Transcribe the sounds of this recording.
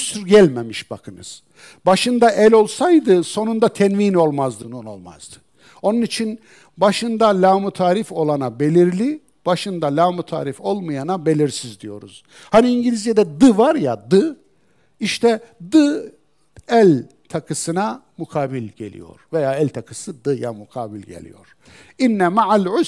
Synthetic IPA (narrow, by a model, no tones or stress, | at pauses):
syɾɟælʲmemiʃbakʰɯnɯ̰z̥ | baʃɯnd̪aʔɛlʲo̞lˠsajd̪ɯso̞nund̪at̪ʰɛnviːno̞lˠmazd̪ɯnuno̞lˠma̰zd̪ɯ̥ | o̞nunit͡ʃʰin | baʃɯnd̪alʲaːmut̪ʰaːɾifo̞lˠanabe̞lʲiɾlʲi | b̥aʃɯnd̪alʲaːmut̪ʰa̰ːɾifo̞lˠmajanabe̞lʲiɾsizd̪ijo̞̰ɾuz̥ | haniːɲɟilʲizjed̪ɛd̪ɯvaɾjad̪ɯ | iʃt̪ʰɛ | d̪ɯ | ælʲ | t̪ʰakʰɯsɯna | mukʰaːbilʲɟe̞̰lʲḭjo̞̰ɾ̥vejaːælʲt̪ʰakʰɯsɯd̪ɯja̰mukʰa̰ːbilʲɟe̞̰lʲḭjo̞̰ɾ̥ | inːɛmaʕalʲʕʊ